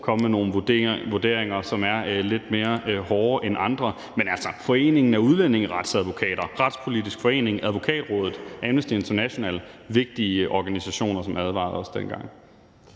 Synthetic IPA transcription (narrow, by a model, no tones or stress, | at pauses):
kʰɒ̽məmeno̝ːn̩ʋoɐd̥e̝ɐ̰eŋɐsɒ̽mæɐle̝d̥me̝ːɐhɒːɐʔenʔɑ̈nd̥ʁɐ | menæl̰sɐfɒ̽e̝̰ːne̝ŋn̩æɐuð̞ˠlen̰e̝ŋʁɑ̈d̥sæðˠʋo̝kʰɛ̰ːd̥ɐʁɑ̈d̥spʰo̝lidisɡ̥fɒ̽e̝̰ːne̝ŋʔæðˠʋo̝kʰɛ̰ːd̥ʁɔ̽ːðˠð̩ˠʔænəsd̥ie̝nt͡sʰɐnæɕo̝nɛ̰ːləʋe̝ɡ̥̚d̥iəʔɒɡ̥ænisæɕo̝̰ːnɐsɒ̽mæðˠʋɑ̰̈ðˠɒ̽sd̥enɡ̥ɑ̈ŋ̰